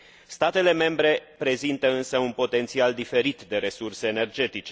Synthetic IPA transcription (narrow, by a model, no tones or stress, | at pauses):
st̪at̪e̞le̞me̞mbɾe̞pɾe̞zint̪əɨnsəunpo̞t̪e̞nt̪siald̪ife̞ɾit̪d̪e̞ɾe̞surse̞ːne̞rd͡ʒe̞t̪it͡ʃe